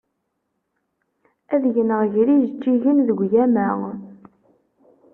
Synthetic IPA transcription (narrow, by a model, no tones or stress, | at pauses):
æðʝənəʁʝɾizt͡ʃːiʝənðəɡʷjæmæ